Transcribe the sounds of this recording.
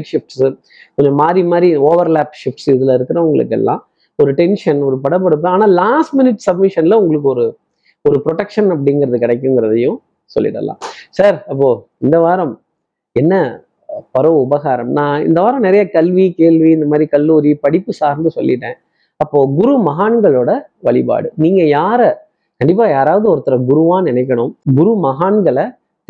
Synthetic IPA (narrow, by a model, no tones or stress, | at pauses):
ʈʂɪfʈs | kɔɲd͡ʒɐmaːd̪ɾimaːd̪ɾioːʋɐɾlaːpʂɪfʈsɪðɯlɐɪɾɯkːɯɾɐʊŋɡɐɭɯ̰kːɛ̰lːã̰ː | ɔɾɯʈɛnʂɐnɔɾɯpɐɽɐp̬ːɐɽɯp̬ːɯaːnaːlaːsʈmɪnɪʈːsɐbmɪʂɐnlɐʊŋɡɐɭɯkːɯɔɾɯ | ɔɾɯpɾɔʈɛkʂɐnɐp̬ːɐɽɪŋɡɪɾɐðɯkɪɽɛk̬ʲːɯŋɡɪɾɐðɐjʊ̃ | sɔ̰lːɪ̰ʈːɐ̰lːã̰ːsaːɾɐpːoː | ɪnd̪ɐʋaːɾɐm | ɛnːɐ | pɐɾɐʊbɐɣaːɾɐmnãːɪ̰nd̪ɐʋaːɾɐmnɪɾɐjɐkɐlʋikeːlʋiɪnd̪ɐmaːd̪ɾikɐlːuːɾipɐɽɪpːɯsaːɾnd̪ɯsɔ̰lːɪʈːẽː | ɐpːoːɡʊɾumɐɦaːɳɡɐɭoːɽɐʋɐɭɪpa̰ːɽɯniːŋɡɐjaːɾɐ | kɐɳɖɪp̬ːaːjaːɾaːʋɐðɯɔɾɯt̪ːɐɾɐɡʊɾuʋãːnɪnɛɪk̬ʲːɐɳʊ̃mɡʊɾumɐɦaːɳɡɐɭɐ